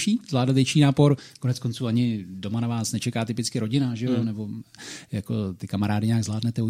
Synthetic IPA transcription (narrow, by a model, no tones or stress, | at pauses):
ʃiːzvlaːdat̪vjɛt͡ʃiːnaːpo̞ɾko̞nɛt͡sko̞nt͡suːaɲɪdo̞manavaːsnɛt͡ʃɛkaːt̪ɪpɪt͡skɪɾo̞ɟɪnaʒɛjonɛbo̞jako̞t̪ɪkamaɾaːdɪɲaːɡzlaːdnɛt̪ɛu